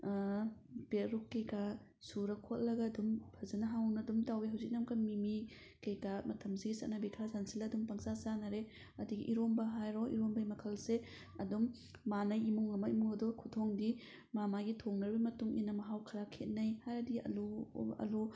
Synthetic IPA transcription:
peɾukːejka | suɾɐkʰot̚lɐɡɐːdumpʰɐzɐnɐɦawnɐdumtawiɦawzik̚nɐmkamimi | kejkamɐtʰɐmsiɡisɐt̚nɐbikʰazansilaːdumpɐŋsasanaɾe | ɐdiɡiʔiɾombɐɦajɾɔʔḭɾombɐimɐkʰɐlse | ɐdumː | anɐjimuŋɐmaimuŋɐdɔkʰutʰoŋdi | mamaɡitʰoŋnɐɾbimɐtuŋinɐmɐɦawkʰɐɾakʰet̚nɐjhajɾɐdiɐ̰luɐ̰lu

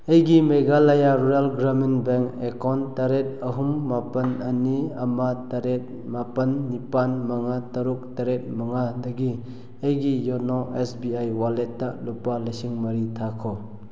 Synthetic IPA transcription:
ejɡimeɡalajaɾuɾalɡɾaminbeŋkekɔntaɾet̚ɐɦumːapɐnaniamataɾet̚ | mapɐnːipanmaŋatɐɾuk̚taɾet̚maŋadɐɡi | ejɡijɔnɔʔesbiajwaletːalupalesiŋmɐɾitʰakʰɔ

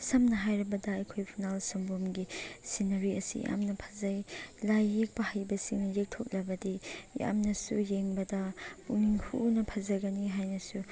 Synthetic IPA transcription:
sɐmnɐɦajɾɐbɐdɐɐjkʰojpʰinalsɐmbomɡisinɐɾiɐsḭja̰mnɐpʰɐ̥zajlajːek̚bɐhajbɐsiŋnɐjek̚tʰok̚lɐbɐdija̰mnɐsujeŋbɐdɐbuŋiŋhunɐpʰɐzɐɡɐniɦajnɐsu

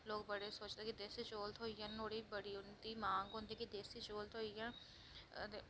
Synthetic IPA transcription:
loːk̚bəɽeːsoːt͡ʃd̪eːkid̪eːsiːt͡ʃoːlt̪ʰoːijãːnoːɽiːbəɽiːʊnd̪iːmãːŋɡɦʊ̃nd̪iːkid̪eːsiːt͡ʃoːlt̪ɦoːijãː | e

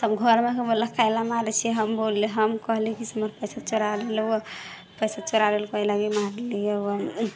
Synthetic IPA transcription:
səbɡʱəɾmekebolːəkajlamaɾet͡ʃʰiɦəmbolːeɦəmkəɦlikisməɾpəjsat͡ʃoɾalelw | pəjsat͡ʃoɾalelkajlaɡimaɾelijewə

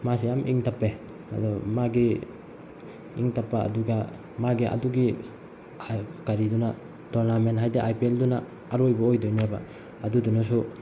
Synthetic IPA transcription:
mas̬ijamʔḭŋtʰapːe | a̰dɔmaɡi | ḭŋtʰapːaa̰duɡa | maɡiʔa̰duɡi | kaɾiduna | tɔɾnamentɦajdeʔajpielduna | aɾojbaojdojnabaː | dudunasu

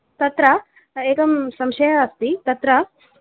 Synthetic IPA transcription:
t̪ɐt̪ɾɐ | eːkɐmsɐmʃɐjɐːst̪it̪ɐt̪ɾɐ

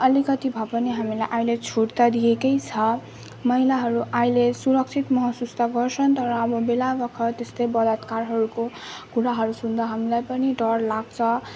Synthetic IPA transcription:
ʌlikʌt̪ibʱʌpʌniɦamilajʔajlet͡sʰuɽt̪ad̪ijekʌjt͡sʰʌ | mʌɦilaɦʌɾuʔajlesuɾʌk̚t͡sʰit̪mʌɦʌsust̪aɡʌrt͡sʰʌnt̪ʌɾʌːbʌbelabʌkʰʌt̪est̪ʌjbʌd̪ʌt̪karɦʌɾuko | kuɽaɦʌɾusund̪ʌɦamilajpʌniɖʌrlaɡt͡sʰʌ

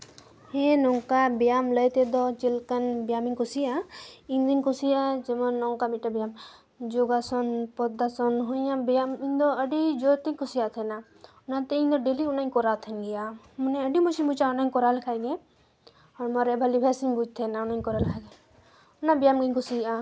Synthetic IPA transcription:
hɛ̃nɔŋkabijamləjt̪ɛd̪ɔt͡ʃilkənbjaminkusiainɡ̪inkusiad͡ʒemɔnːɔŋkabiʈabijam | d͡ʒoɡasɔnpɔd̪asɔnɦojãbijamind̪ɔəɖid͡ʒot̪ikusijat̪ʰɛna | ʊnãt̪ɛĩnd̪ɔɖeliʊnaikɔɾat̪ʰənɡija | munɛəɖimusimbut͡ʃaʊnaikɔɾalkʰajɡɛ | ɔɾmɔɾɛbʱəlibʱasimbud͡ʒt̪ʰɛnaʊnaɲkɔɾalkʰaɡɛ | ʊnabijamɡinkusia

